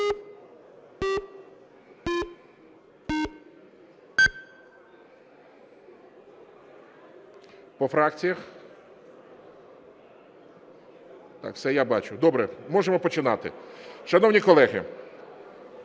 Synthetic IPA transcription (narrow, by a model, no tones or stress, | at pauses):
pɔfɾɑkt͡sʲijɐx | t̪ɑ̰kfsɛjabɑt͡ʃʊd̪ɔbɾɛmɔʒemɔpɔt͡ʃɪnɑt̪ɪ̰ʃɐnɔwnʲikɔlˠɛɦɪ̰